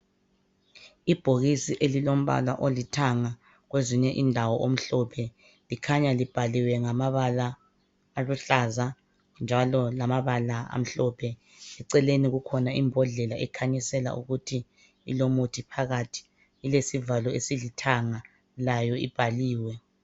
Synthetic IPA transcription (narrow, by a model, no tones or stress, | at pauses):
ib̥ʱoɣisiʔelilom̩βa̰lwa̰ʔolitʰaŋa | ɣweziɲɛʔindʱawɔʔom̩ɬɔpʰɛ | likʰaɲalib̥ʱaliwɛŋamaβalaː | luɬaza | nd͡ʒʱalɔlamaβalaa̰m̩ɬɔpʰɛ | ɛǀɛleniɣukʰɔnaʔimbʱɔɮɛlaʔɛkʰaɲisɛla̰ʔṵɣutʰḭː | lomutʰipʰaɣatʰi̥ː | lesivalɔesilitʰaŋa | lajɔib̥ʱaliːwɛ